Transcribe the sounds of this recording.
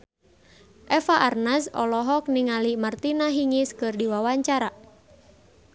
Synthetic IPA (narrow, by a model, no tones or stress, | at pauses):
ʔɛfaʔarnasɔ̰lɔɦɔk̚niŋalimart̪inaɦiŋiskɨrdiwawaɲt͡ʃaɾa